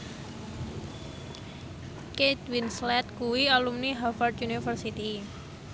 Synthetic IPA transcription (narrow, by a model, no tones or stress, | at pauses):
ket̪winslɛt̪̚kuwialumniɦafart̪junifərsit̪i